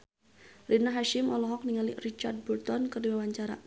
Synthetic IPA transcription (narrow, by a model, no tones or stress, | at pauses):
rinaɦaʃɪmɔlɔɦɔk̚niŋalirit͡ʃard̚burt̪ɔnkɨrdiwawaɲt͡ʃaɾa̰